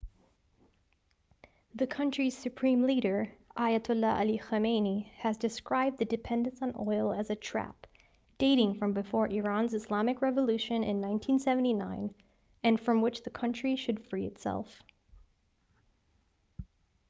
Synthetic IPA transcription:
ðɨkʰʌ̃nt͡ʃɹ̥iz̥sɨpʰɹ̥ĩmliɾə˞ʔaɪɨtʰʊləʔə̰lixəmẽɪniɨzdɨskɹaɪb̚ðɨdɨpʰɛ̃ndɨ̃nsn̩ɔɪlˠɨzɨtʰɹ̥æ̰p̚ | d̥eɪɾɪ̃ŋfɹʌ̃mbɨfɔɹʔɪɹɑ̃nzɨslɑmɨkɹɛvəlʉʃɨ̃nɪ̰̃nːãɪ̃ntʰĩnsɛvn̩tinãɪ̃n | ɨ̃nfɹʌ̃mwɨt͡ʃðɨkʰʌ̃nt͡ʃɹ̥iʃɨd̥fɹiɨ̰tsɛ̰lˠf

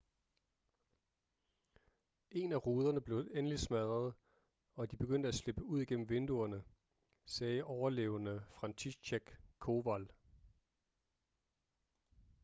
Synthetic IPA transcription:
ʔe̝næʁuːð̞ˠɐnəb̥le̝ʊenəlismæðˠʁɐðˠ | ɒ̽d̥ib̥e̝ɡ̥øn̰d̥əæsle̝b̥əuð̞̰ˠiɡ̥en̰m̩ʋe̝nd̥uɐnə | sɛːʔɒʊɐlḛːʊənəfʁɑ̈nt͡sʰiɕeɡ̥kʰo̝ʋæl

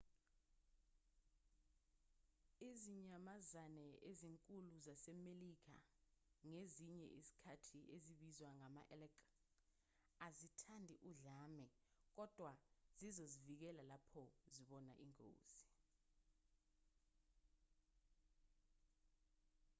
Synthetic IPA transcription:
iziɲamazanɛʔeziŋkʼuluzasɛmelik̬ʰa̰ŋeziɲɛ̰ʔisi̥kʰatʰiʔeziɓizwaŋama̰ʔɛlɛk | azitʰandʱiʔuɮaːmɛ | k̬ɔd̥ʱwazizozivik̬ɛlalapʰɔziɓɔnaʔiŋo̰ːz̥i

